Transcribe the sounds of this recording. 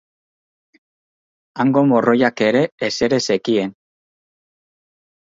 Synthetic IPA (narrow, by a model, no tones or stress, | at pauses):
aŋɡo̞mo̞ro̞jake̞ɾe̞ːse̞ɾe̞se̞kie̞n